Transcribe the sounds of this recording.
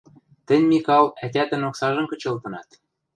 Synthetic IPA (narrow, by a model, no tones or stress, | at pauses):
t̪ɘ̆nʲmikɑlæt̪ʲæt̪ɘ̆noksɑʒɤ̆mkɤ̆t͡ɕɤ̆lt̪ɤ̆nɑt̪